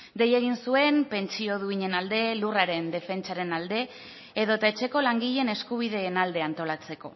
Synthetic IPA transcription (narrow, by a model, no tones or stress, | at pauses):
ɡ̪e̞je̞ɣ̞insue̞mpe̞nt͡sio̞ð̞uiɲe̞nald̪e̞luraɾe̞nd̪e̞fe̞nt͡ʃaɾe̞nald̪e̞ː | ðo̞t̪aet͡ʃe̞ko̞laŋɡiʎe̞ne̞skuβ̞iðe̞ːnald̪e̞ant̪o̞lat͡se̞ko̞̰